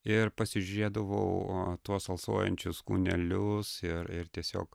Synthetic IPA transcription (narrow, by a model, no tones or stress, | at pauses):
ɪɾpɐsʲɪʒʲʊɾʲeːd̪ɐʋo̰ʊt̪uɔsɐlˠso̰ːjɛ̰nʲt͡ʃʲʊskṵnʲɛlʲʊsɪɾɪɾt̪ʲiɛsʲo̰ːk